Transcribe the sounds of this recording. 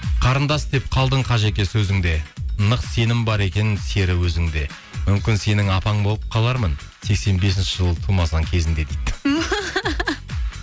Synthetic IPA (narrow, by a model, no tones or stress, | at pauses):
qʰɑɾənd̪ɑsd̪e̞p̚qʰɑlˠd̪əɴqʰɑʒekʲesɵzɪŋd̪e̞nəqse̞nɪmbɑɾe̞kʲe̞nse̞ɾɪwɵzɪŋd̪e̞ | mʏmkʲɪnse̞nɪŋɑpɑɴbo̞lˠəp̚qʰɑlˠɑɾmən | se̞kse̞nbe̞s̬ɪnʃɪʒəlˠt̪ʰumɑsɑŋkʲʰe̞zɪnd̪e̞d̪ejd̪ɪ